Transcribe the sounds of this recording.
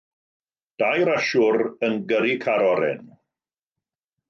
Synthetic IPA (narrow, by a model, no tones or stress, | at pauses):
d̥ajɾaʃʊɾənɡəɾikʰaɾɔɾɛ̰n